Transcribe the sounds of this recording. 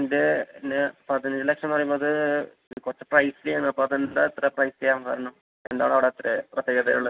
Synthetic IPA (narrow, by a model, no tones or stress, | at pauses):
nd̪einːepɐðɐnɲd͡ʑilekʂɐnpɐrɐjumboːðɨ | kurɐt͡ɕːeprɐjslinːɨɐpːoɐðenat̪ːɾɐprɐjst͡ɕejaːmkɐ̰ɾɐɳu | end̪a̰ːɳɐʋiɽeɐt̪ːɾeprɐt̪jeːɡɐðɐɾuɭːɐ